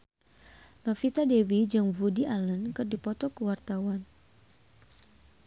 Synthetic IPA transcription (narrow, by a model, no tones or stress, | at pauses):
nɔfit̪adewid͡ʒɨŋvudiʔalənkɨrdipɔt̪ɔkuwart̪awan